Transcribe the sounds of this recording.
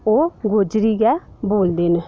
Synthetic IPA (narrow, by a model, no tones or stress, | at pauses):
oːɡoːd͡ʒɾiːɡɛːboːld̪eːn